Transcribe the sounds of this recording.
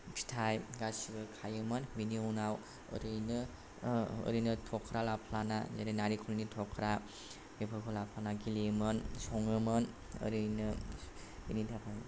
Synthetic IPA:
pʰi̥tʰajɡasiɡɯkʰajɯmɯnbiniunaw | ɯ̰ɾɯjnɯ̰ː | ɾɯjnɯtʰɔkʰɾalapʰlana̰zaɾenaɾikʰulnitʰɔkʰɾa | bepʰɯkʰulapʰlanaɡilimɯnsɔŋɯmɯn | ɯ̰ɾɯjnɯ | binidʰʱapʰa

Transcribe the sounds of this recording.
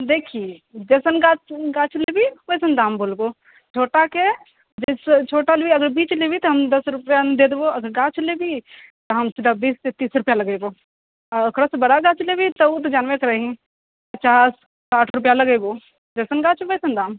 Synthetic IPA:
d̪eːkʰied͡ʒesənɡaɡaːt͡ʃʰlebikojsənd̪aːmboːlɡoː | t͡ʃʰoːʈake | d͡ʒɪst͡ʃʰoːʈalbiɐɡəɾbiːt͡ʃlebit̪ɐɦɐmd̪ɐsɾʊpjad̪eːd̪boɐɡəɾɡaːt͡ʃʰlebit̪ɐɦɐmt͡ʃɪd̪abiːst̪et̪iːsɾʊpjalɐɡeboː | kɾəsbɐɽaɡaːt͡ʃlebit̪ɐut̪od͡ʒaːnʋekɐɾaɦĩ | pɐt͡ʃaːs | aːʈʰɾʊpjalɐɡeboː | d͡ʒɐsənɡaːt͡ʃbosənd̪aːm

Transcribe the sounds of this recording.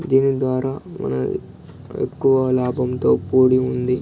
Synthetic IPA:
d̪iːnid̪ʋaːɾaːmɐ̰nɐ̰ | ḛkːuʋɐlaːbʱɐmt̪o̞ːpoːɽiund̪i

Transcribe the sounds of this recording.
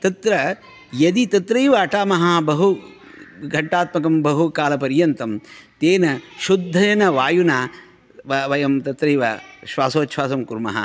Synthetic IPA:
t̪ɐt̪ɾɐ | jɐd̪it̪ɐt̪ɾɐjʋɐːʈaːmɐɦabɐɦu | ɡʱɐʈːaːt̪mɐkɐmbɐɦukaːlɐpɐɾjɐnt̪ɐmt̪eːnɐʃud̪ʱːɐjɐnɐʋaːjunaː | ʋɐʋɐjɐmt̪ɐt̪ɾɐjʋɐʃʋaːsoːt̪ʃʰʋaːsɐmkuɾmɐ̰ɦɐ̰

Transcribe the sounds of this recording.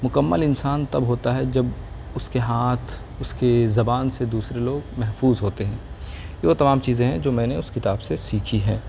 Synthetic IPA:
mʊkəmːəlɪnsaːnt̪ɐbɦoːt̪aɦɛd͡ʒɐb | ʊskeɦaːt̪ʰ | ʊskezɐbaːnsed̪uːsɾeloːɡmɛɦfuːzɦoːt̪eɦɛ̃ːjeʋot̪ɐmaːmt͡ʃiːzẽɦɛ̃d͡ʒoːmɛ̃ːneʊskɪt̪aːbsesiːkʰiɦɛː

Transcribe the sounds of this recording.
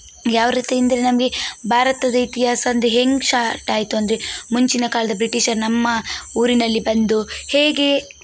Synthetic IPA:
jaːʋɐɾit̪ejɐnd̪ɐɾenɐmɐɡe̞bʱaːɾɐt̪ɐd̪ɐit̪iɦaːsɐɐnd̪eɦeŋɡʃaːʈaːjit̪uɐnd̪ɐɾe̞muɲt͡ʃinɐkaːlɐd̪ɐbɾiʈiʃɐɾnɐmːɐuːɾinɐlːibɐnd̪uheːɡe̞

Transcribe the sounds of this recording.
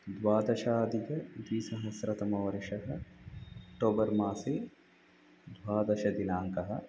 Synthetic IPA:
d̪waːd̪ɐʃaːd̪ikɐd̪iːsɐɦɐsɾɐt̪ɐmɐʋɐɾɪʃɐɦɐ̆ | ʈoːbɐɾmaːse | d̪waːd̪ɐʃɐd̪inaːŋkɐɦɐ̰̆

